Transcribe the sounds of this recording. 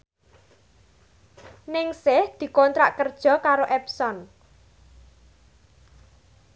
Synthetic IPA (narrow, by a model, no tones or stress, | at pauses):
nɪŋsɪhd̪̥i̤kɔnt̪ɾa̰ʔkərd̥ʒ̥ɔ̤kaɾoʔɛpsɔn